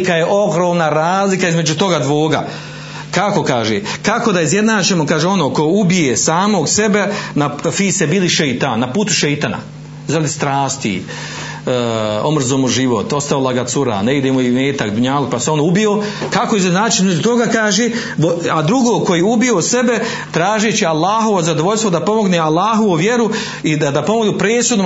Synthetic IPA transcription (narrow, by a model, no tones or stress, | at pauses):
kajeʔo̞ɡɾoːmnaɾaːzlikaizme̞d͡ʒut̪o̞ɡad̪ʋoːɡa̰ | kako̞kaːʒḛːkako̞d̪aizje̞d̪naːt͡ʃemokaːʒeo̞noko̞ubijesaːmo̞ɡse̞benafiːsebiːliʃejt̪annapuːt̪u̥ʃejt̪ana̰ | zaɾad̪ist̪ɾaːst̪ḭ | o̞mr̩zoːmuʒiʋo̰t̪o̞st̪aolˠaɡat̪suɾa̰neid̪emoimeːt̪akd̪uɲaːlupaseo̞noubiokakojezenaːt͡ʃinozot̪o̞ɡakaːʒeː | oad̪ɾuɡoːko̞jeubiose̞be̞ | t̪ɾaːʒet͡ɕialˠːaːɦo̞ʋozad̪oʋo̞ʎʲst̪ʋo̞d̪apo̞mo̞ɡnealˠːaːɦo̞ʋoʋje̞ɾu | id̪ad̪apo̞moɡnupɾeːsud̪no